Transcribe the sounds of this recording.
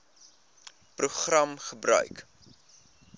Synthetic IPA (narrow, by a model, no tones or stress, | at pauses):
pruχrɐmχəbrœ̰ɥk